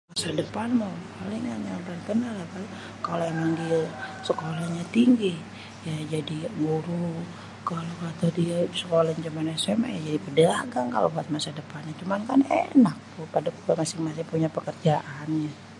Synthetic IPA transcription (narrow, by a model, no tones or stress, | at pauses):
masadəpanmopaliŋanjaŋbankənalakal | kaloemaŋɡisəkolaɲat̪iŋɡi | jad͡ʒadiɡuɾu | kalokat̪adiasəkolaɲat͡ʃumanɛsɛma̰jad͡ʒadipədəa̰ɡaŋka̰lo̰buat̪̚masadəpanɲat͡ʃumankanḛnak̚t̪ʊpadakubamasɪŋmasɪŋpuɲapəkərd͡ʒaʔanɲa